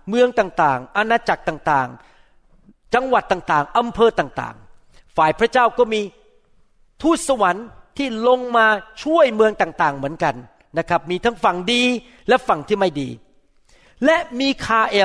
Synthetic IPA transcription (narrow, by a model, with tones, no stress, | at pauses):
mɯ˧əŋt̪aː˨˩ŋt̪aː˨˩ŋʔa˧naː˧t͡ɕa˨˩k̚t̪aː˨˩ŋt̪aː˨˩ŋ | t͡ɕa˧ŋwa˨˩t̪ːaː˨˩ŋt̪aː˨˩ŋʔa˧mpʰɤː˧t̪aː˨˩ŋt̪a̰ː˨˩ŋ | faː˨˩jpʰɾa˦˥t͡ɕaː˥˩wkɔː˥˩miː˧ | t̪ʰuː˥˩t̪̚sa˧wa˩˦nt̪ʰiː˥˩lo˧ŋmaː˧t͡ɕʰu˥˩əjmɯ˧əŋt̪aː˨˩ŋt̪aː˨˩ŋmɯ˩˦ənka˧n | na˦˥kʰɾa˦˥p̚miː˧t̪ʰa˦˥ŋfa˨˩ŋdiː˧ | lɛ˦˥fa˨˩ŋt̪ʰiː˥˩ma˥˩jdḭː˧ | lɛ˦˥miː˧kʰaː˧ʔeː˧